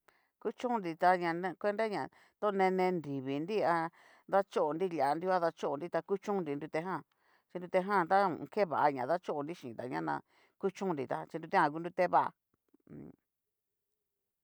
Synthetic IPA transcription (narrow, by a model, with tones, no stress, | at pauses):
ku˦t͡ʃũ˦nɾi˧t̪a˧ɲã˧nẽ˧kʷe˦nda˦ɲã˨ | t̪o˦nẽ˧nẽ˧nd̪i˨βi˨ndi˦a˧ | ða˦t͡ʃo˦o˨˧ndi˦˧la˨˧nd̪i˧˦a˦˧ða˧t͡ʃo˦ʔo˨ndi˦t̪a˧ku˦t͡ʃũ˦nɾi˧nd̪u˧t̪e˧ɦã˦ | t͡ʃi˧n˧du˧t̪e˧ɦã˦˨˧t̪a˦˨˧ke˦βa˨a˧ɲã˨ða˦t͡ʃo˦o˧ndi˦ʃĩ˨t̪a˨ɲã̰˦nã̰˧ | ku˦t͡ʃũ˦nɾḭ˧t̪a˧t͡ʃi˧n˧du˧t̪e˦hã˧k̬u˧ndu˧t̪e˦βa˦ʔa̰˧˨